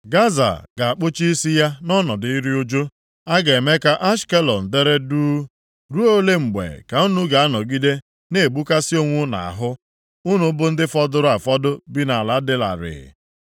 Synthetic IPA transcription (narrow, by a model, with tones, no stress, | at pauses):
ɡa˦za̰˨ɡ̥a˨a˨k͡pʊ˦t͡ʃi˦i˦si˦ja˦nɔ˦nɔ˨dɪ˨i˦ɾi˦o˦d͡ʒo˦ | a˦ɡe˨e˨me˦ka˦ʔa˦ʃke˦lɔ˨n̩˨de˦ɾe˦duː˦ | ɾu˦o˦le˦ŋ͡m̩˨ɡ͡bḛ˨ka˨u˦nu˦ɡa˨a˦nɔ˨ɡi˦de˦ | ne˦˨bu˦ka˦si˦o˦ŋʷʊ˦na̰˨a̰˨ɦʊ˦ | u˦nu˦bʊ˦n̩˦dɪ˦fɔ˦dʊ˦ɾʊ˦a˨fɔ˦dʊ˦bi˦na˨a˨la˨dɪ˦la̰˨ɾɪ̰˨